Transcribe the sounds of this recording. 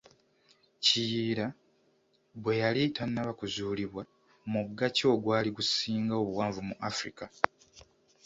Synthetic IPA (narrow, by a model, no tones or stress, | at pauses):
cijiːɾa | βwe̞jalitanːaβakuzuːliβwa | muɡaco̞ːɡwaːliɡusiːŋɡao̞βuwaːɱvumuʔafɾḭka